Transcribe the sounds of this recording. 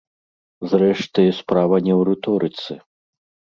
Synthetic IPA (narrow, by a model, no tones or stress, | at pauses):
zrɛʂt̪ɨspɾavɐnʲɛwɾɨt̪ɔɾɨt̪sɨ